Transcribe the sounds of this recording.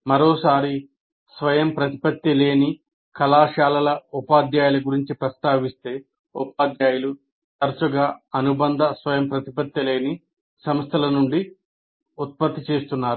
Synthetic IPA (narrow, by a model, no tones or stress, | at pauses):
mɐɾoːsaːɾi | sʋɐjɐmpɾɐt̪i̥pɐt̪jɐle̞ːni | kɐlaːʃaːlɐlɐupaːd̪jaːjulɐɡuɾiɲt͡ʃipɾɐst̪aːʋist̪e̞ː | upaːd̪jaːjulu | t̪ɐɾsuɡaːɐnubɐnd̪ʱɐsʋɐjɐmpɾɐt̪ipɐt̪jɐle̞ːni | sɐmɐst̪ʰɐlɐnuɳɖi | ut̪̚pɐt̪ːit͡ʃe̞ːst̪unːaːɾu